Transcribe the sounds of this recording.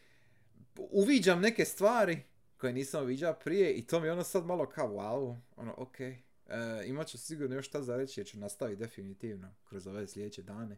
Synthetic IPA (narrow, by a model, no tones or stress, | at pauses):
uʋiːd͡ʑamne̞ke̞st̪ʋaːɾi | ko̞jeniːsamuʋiːd͡ʑaopɾije̞ʔit̪oːmijeonosad̪malo̞kʰaowaːoo̰no̰ʔokʰeː | imat͡ɕusiɡuːɾnojoʃt̪azaɾet͡ɕijeɾt͡ɕunast̪aʋit̪̚d̪e̞finit̪iːʋno̞kɾo̞zo̞ʋe̞ːslʎʲe̞d̪eːt͡ɕe̞d̪aːne̞